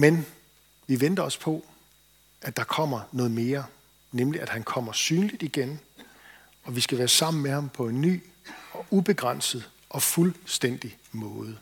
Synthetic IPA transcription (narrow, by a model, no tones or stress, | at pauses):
men | ʋiʋen̰d̥ɐɒ̽spʰɒ̽ | æd̥ɑ̈kʰɒ̽m̰ɐnɔ̽ːð̩ˠme̝ːɐ | nemliæd̥hænkʰɒ̽m̰ɐsyːnlid̥iɡ̥en | ɒ̽ʋisɡ̥æʋæːɐsɑ̈m̰n̩mehɑ̈mpʰɒ̽e̝nːy̰ː | ɒ̽ʔub̥e̝ɡ̥ʁɑn̰sð̞̩ˠ | ʔɒ̽fulsd̥en̰d̥i | mɔ̽ːð̞ˠə